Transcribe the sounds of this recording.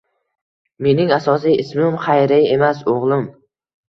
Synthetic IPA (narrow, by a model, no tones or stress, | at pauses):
me̞nɪŋasɒsijɪsmɪmχajɾaje̞masoʁlˠɪm